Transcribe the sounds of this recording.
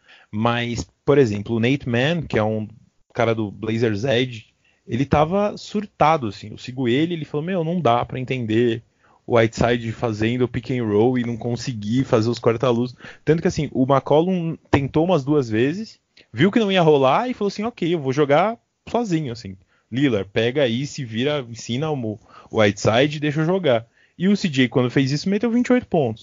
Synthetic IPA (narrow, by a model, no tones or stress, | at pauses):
mɐjspoɾezẽmplʊːnejt̪mɛ̃nkɪɛũ | kaɾɐd̪ʊblejzeɾzɛd͡ʒɪ | elɪt̪avɐsuɾt̪ad̪ʊasĩḛwsiɡuelɪelɪfalomewnɐ̃w̃d̪apɾɐẽnt̪ẽnd̪e | ʊ̰ajt̪sajd͡ʒɪfazẽnd̪ʊʊpikẽɾowɪnɐ̃w̃kõsɪɡifazeʊskaɾt̪alust̪ɐ̃t̪ʊkɪasĩʔʊmakɔlũt̪ẽnt̪oũmɐzd̪uɐzvezɪs | viwkɪnɐ̃w̃iɐɦolaɪfaloasĩokejewvoʒoɡa | sɔzĩɲʊasĩ | lilaɾpɛɡɐaisɪviɾɐĩsĩnɐʊʊ̰ajt̪sajd͡ʒɪd̪ejʃ̬oʒoɡa | ɪʊsid͡ʒejkwɐ̃nd̪ʊfejzisʊmet̪ewvĩnt͡ʃɪojt̪ʊ̥põnt̪ʊ̥s